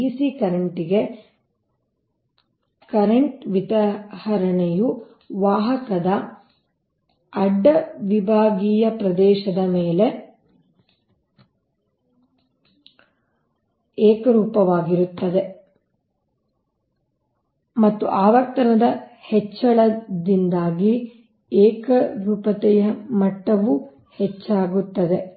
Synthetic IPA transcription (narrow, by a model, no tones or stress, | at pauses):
iːsikɐɾɐɳʈiɡe̞ | kɐɾɐɳʈʋit̪ɐhɐɾɐɳeju | ʋaːɦɐkɐd̪ɐ | ɐɖːɐʋibʱaːɡiːjɐpɾɐd̪ɛːʃɐd̪ɐmeːle̞ | ɛːkɐɾuːpɐʋaːɡiɾut̪ːɐd̪e̞ | mɐt̪ːuʔaːʋɐɾt̪ɐnɐd̪ɐhɛt͡ʃːɐɭɐd̪ind̪aːɡi | ɛːkɐɾuːpɐt̪ɛjɐmɐʈːɐʋu | hɛt͡ʃːaːɡut̪ːɐd̪e̞